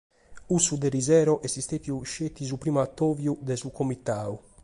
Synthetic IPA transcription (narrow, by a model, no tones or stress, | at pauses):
usud̪ɛɾizɛːɾɔʔɛsist̪et̪iuʃet̪ːizupɾiːmat̪ːoːvjud̪ɛsukʰomit̪aːu